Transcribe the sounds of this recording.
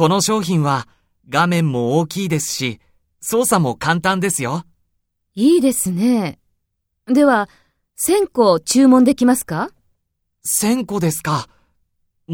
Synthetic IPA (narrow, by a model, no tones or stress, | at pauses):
ko̞no̞ɕo̞ːçĩɰ̃βa | ɡamẽ̞mːo̞oːkʲiːd̪e̞sɨ̥ɕi | so̞ːsamo̞kãnt̪ãnd̪e̞sɨjo̞ | iːd̪e̞sɨne̞ | d̪e̞βa | sẽ̞ŋko̞t͡ɕɨːmõ̞nd̪e̞kʲimasɨ̥ka | sẽ̞ŋko̞d̪e̞sɨ̥ka